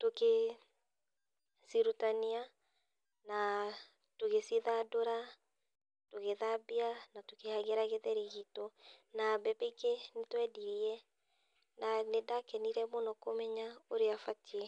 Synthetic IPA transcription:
toke | siɾutania | na | toɣesiðadoɾa | toɣeðabianatokehaɣeɾaɣeðɛɾiɣitɔnabɛbeɡenetwɛdiɾiɛ | nanedakɛniɾɛmonɔkomɛɲaoɾeafatie

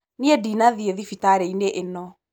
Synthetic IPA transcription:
niedinaðieðifitaɾeineʔenɔ

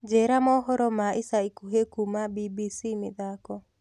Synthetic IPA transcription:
d͡ʒeɾamɔɦɔɾɔmaisaikuɦekumabibisimɪðakɔ

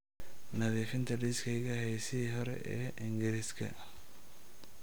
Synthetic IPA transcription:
nɐðiːfɪnt̪ʰɐɖiskʰɐjɣɐhɛjsiːɦɔɾɛ̰ʔɛːʔɪŋɡɪɾɪskʰɐ̰

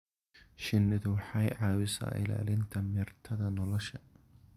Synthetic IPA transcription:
ʃɪnːɪðʊwɑħɑjʕɑːwɪsa̰ːʔɪ̰la̰ːlɪnt̪ʰɐmɪrt̪ʰɐðɐnɔlɔʃɐ

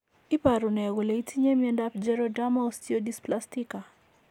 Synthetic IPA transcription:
ipaɾunɛɡoleitʰiɲemiɛndapd͡ʒɛɾɔdamaostiodisplastika

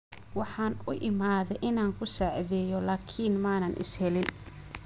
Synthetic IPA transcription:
wɑħɑːnʊʔɪmaːðɛjʔɪnaːŋkʰʊsaːʕðɛːjɔlaːkʰiːnmaːnɐnʔɪ̰shɛlɪn

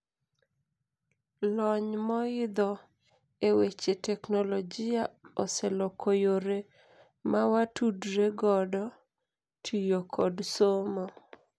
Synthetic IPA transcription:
lɔɲmɔɪd̪ɔ | ewet͡ʃetɛknolɔd͡ʒɪaɔsɛlɔkojoɾe | mawatudɾeɡɔdɔ | tʰijokʰɔdsomɔ

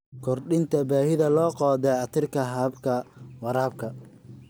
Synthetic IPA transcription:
kʰɔrɗɪnt̪ʰɐbaːhɪðɐlɔːqɔːðɛɐt̪ʰɪrkʰɐɦɐbkʰɐwɑɾaːb̚kʰɐ

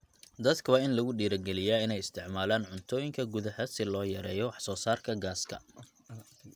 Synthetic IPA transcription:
d̪ɐd̪kʰɐwaːɪnlɐɣʊɖiːɾɐɡɛlɪjaːɪnɛjɪst̪ʰɪʕmaːlaːnʕʊnt̪ʰɔːjɪŋkʰɐɡʊðɐhɐsɪlɔːjɐɾɛːjɔwɑħsɔːsaːrkʰɐɡaːskʰɐ̰

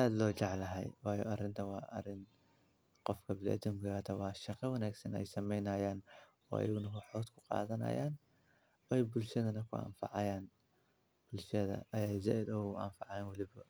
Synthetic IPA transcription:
aːd̪lɔːt͡ʃɑʕlɐɦɛ̰jwɑːjɔ̰ːʔɐrɪnt̪ʰɐwɑːʔɐ̰rɪn | qɔfkʰɐbɪlɛ̰ːd̪ɪŋɡʊjaːt̪ʰɐwɑːʃɐqɛwɐnaːɡsɐnɛ̰jsɐmɛjnɐːjaːn | ɔːʔɐ̰jɐɣʊnɐɦʊħɔːd̪kʰʊ̥qɑ̰ːðɐnɐ̰ja̰ːn | ɛjbʊlʃɐðɐnɐkʰʊʔa̰ːɱfɑ̰ʕɑjaːn | b̥ʊlʃɐðɐ̰ɐjɛjsɛʔɛd̪ɔʊʔa̰ːmfɑʕɑjaːnwɐlɪβɐ

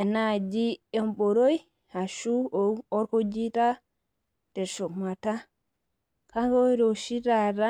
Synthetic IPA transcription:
ɛnad͡ʒiɛmɓɔɾoj | haʃuɔɔɾkod͡ʒita | tɛɾʃɔmata | kaŋɡɔɾoʃitaɾa

